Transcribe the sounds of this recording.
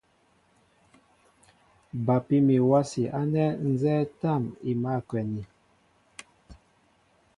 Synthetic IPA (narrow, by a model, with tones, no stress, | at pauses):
ba˨pi˦mi˨wa˦si˨ʔa˦nɛ˦n̩˦zɛː˦ta˦˨mi˨ma˦˨kwɛ˨ni˨